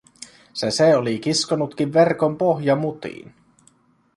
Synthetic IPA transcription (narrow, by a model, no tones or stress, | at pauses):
seseolik̟iskonut̪k̟iʋːerkompoɦjɑmut̪ḭːn